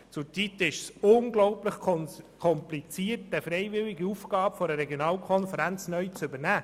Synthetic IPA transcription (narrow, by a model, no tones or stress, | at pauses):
t͡sʊɾt͡sit̪ɪʃsʊnɡlɔʊpləχkʰɔmplit͡siːətəfɾeɪvɪliɡəufɡ̥ɑːbəfoɾəɾeɡjonɑːlkʰɔnfəɾænt͡snœɥt͡sʏbənæː